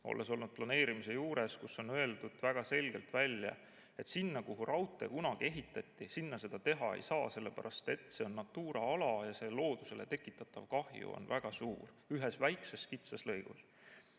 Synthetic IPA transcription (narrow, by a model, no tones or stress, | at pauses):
o̞̰lʔeso̞lnud̪̚plɑne̞ːɾimise̞juːɾe̞skusːo̞nøeld̪̥ud̪̥væɡ̥ɑse̞lɡ̥e̞̰lt̪vælʲjɑ̰ | e̞t̪sinːɑkuɦurɑwt̪ːˑe̞̰kunɑɡ̥ie̞ɦit̪ːˑɑt̪ʲːisinːɑse̞d̪ɑt̪e̞ɦɑḛjsɑːse̞lːe̞pæɾʔɑst̪e̞t̪ːˑse̞o̞nːɑt̪ːuːɾɑɑlɑjɑse̞lo̞ːd̪use̞lʔe̞t̪e̞kːˑit̪ːˑɑt̪ːˑɑvkɑhjṵo̰nvæɡ̥ɑsṵːr | yɦesvæjkseskit̪sɑslɤjɡ̥ṵs